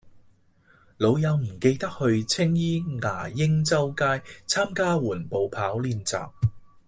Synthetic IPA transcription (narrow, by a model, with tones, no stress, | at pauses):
lo˨˧wjɐ˨˧wm̩˨˩ke˧jt̪ɐ˥k̚hɵ˧ɥt͡sʰɪ˥ŋjiː˥ŋa̰ː˨˩jɪ˥ŋt͡sɐ˥wkaː˥jt͡sʰaː˥mkaː˥wuː˨˩npo˨˧wpʰaː˨˥wliː˧nt͡sa̰ː˨p̚